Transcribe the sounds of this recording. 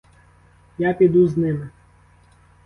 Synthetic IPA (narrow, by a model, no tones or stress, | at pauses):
japʲid̪uznɪmɪ